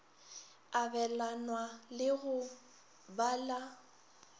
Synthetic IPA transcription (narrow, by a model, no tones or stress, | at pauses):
abɛlanwalɪɣʊ | bala